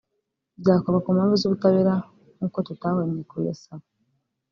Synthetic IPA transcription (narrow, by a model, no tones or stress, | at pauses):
zaːkoβakomaːmvuzoβutaβeɾa | ŋkototaːwanːikoja̰saβo